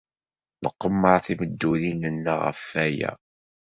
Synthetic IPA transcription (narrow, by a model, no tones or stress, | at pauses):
ləqːəmːəɾθiməd̪ːulinənːaʁə̰fːæjæ̰